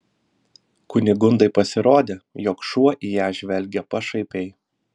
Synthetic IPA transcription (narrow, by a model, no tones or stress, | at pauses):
kʊnʲɪɡʊnd̪ɐɪpɐsʲɪɾoːd̪ʲeːjoːkʃuɔʔiːjæːʒʲʋʲɛlʲɡʲɛpɐʃɐɪpʲɛɪ